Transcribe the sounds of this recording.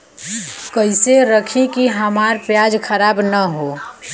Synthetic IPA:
kəɪseɾəkʰĩkiɦəmaɾpjad͡ʒkʰəɾaːbnəɦo

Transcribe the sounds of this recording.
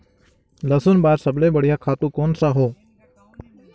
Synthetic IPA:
ləsʊnbaːɾsəbleːbəɽjaːkʰaːt̪ũːkoːnsaɦoː

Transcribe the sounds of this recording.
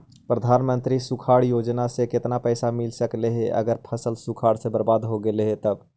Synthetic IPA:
pɾəd̪ʱanmənt̪ɾisukʰaɽjod͡ʒnasẽket̪napəɪsamilsəkleɦeʔə̰ɡəɾpʰəsəlsukʰaɽsebəɾbad̪ɦoɡeleɦet̪əb

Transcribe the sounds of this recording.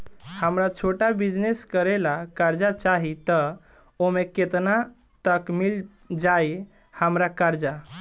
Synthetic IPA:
həmɾat͡ʃʰoʈabid͡ʒneskəɾelakaɾd͡ʒat͡ʃaɦit̪ə | omeket̪na | t̪əkmil | d͡ʒaj | həmɾakaɾd͡ʒa

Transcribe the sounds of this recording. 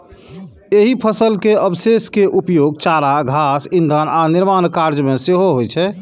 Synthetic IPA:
eɦipʰəsəlkeəbseskeʔupjoɡ̚t͡ʃaɾaɡʱasĩnd̪ʱənʔaniɾmankaɾd͡ʒmeseɦoɦojt͡ʃʰɛ

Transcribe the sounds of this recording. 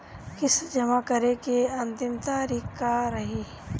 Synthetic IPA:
kɪsd͡ʒɐmakɐɾekeɐ̃nt̪ɪmt̪aːɾiːkːaɾɐɦiː

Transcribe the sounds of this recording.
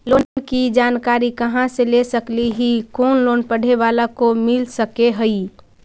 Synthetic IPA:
loːnkid͡ʒaːnkaːɾikəɦãselesəkliɦikoːnloːnpəɽ̤eʋaːlakomɪlsəkeɦəi

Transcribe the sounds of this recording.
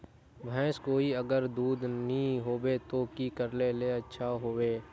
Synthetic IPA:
bʱɛ̃ːskoːiəɡəɾd̪uːd̪nĩɦoːwet̪okikəɾleleɐtːʃʰaɦoːweː

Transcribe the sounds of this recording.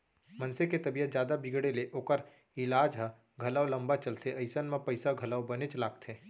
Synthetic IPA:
mənseket̪ɐbijət̪d͡ʒjaːd̪abɪɡɽeleʔoːkəɾ | ɪlaːd͡ʒɦə̃ | ɡʱɐləwlɐ̃mbat͡ʃɐlt̪ʰeɐɪsənmẽpəɪsaɡʱɐləʋbənet͡ʃlaːɡt̪ʰeː

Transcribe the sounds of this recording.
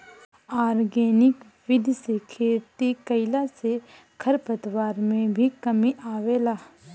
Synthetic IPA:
aːɾɡeːnɪk | ʋɪd̪ʱsekʰeːɾt̪ikɐɪlase | kʰɐɾpət̪waːɾmẽbʱikɐmiʔaːʋeːlaː

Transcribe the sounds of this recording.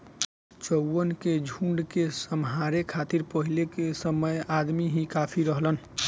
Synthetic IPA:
t͡ʃəwənked͡ʒʱũɳɖkesəmɦaɾekʰat̪iɾpəɦilekesəməjad̪miɦĩkapʰiɾəɦlən

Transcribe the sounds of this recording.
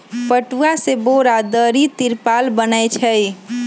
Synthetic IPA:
pəʈuaseboɾad̪əɾit̪iɾpalbənəjt͡ʃʰɛj

